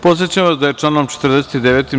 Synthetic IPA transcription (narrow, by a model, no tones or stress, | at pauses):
pot̪sʲet͡ɕamʋasd̪ajet͡ʂlˠaːnomt͡ʃe̥t̪r̩d̪eset̪id̪eʋet̪im